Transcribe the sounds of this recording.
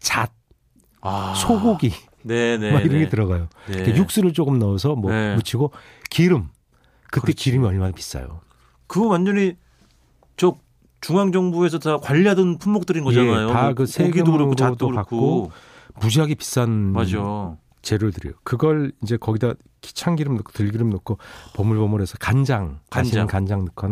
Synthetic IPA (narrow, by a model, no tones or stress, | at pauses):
t͡ɕat̚ | asʰoɡoɡi | nenemaiɾʌnɡetɯɾʌɣajotejuk̚s͈uɾɯɭt͡ɕ͈okɯmnʌosʰʌmwʌmut͡ɕʰiɡo | kiɾɯm | kɯt͈e̞kiɾɯmiʌɭmanapi̥s͈a̰jo̰ | kɯwand͡ʑʌɲi | t͡ɕʌ | t͡ɕuŋaŋd͡ʑʌŋbue̞sʰʌtakwaʎːiɦadɯnpʰumbok̚t͈ɯɾinɡʌd͡ʑanajoakɯsʰeɡɯodokakkk͈omud͡ʑiɦaɡepi̥s͈anmd͡ʑo | t͡ɕe̞ɾoɭtɯɾḭjokɯɡʌɭind͡ʑe̞kʌɡida | ki̥t͡ɕʰaŋɡiɾɯmnokʰo̥tɯɭɡiɾɯmnokʰopʌmuɭbʌmɯɾɦe̞sʰʌkand͡ʑaŋkaɕʰinɯnkand͡ʑaŋnɯkʰan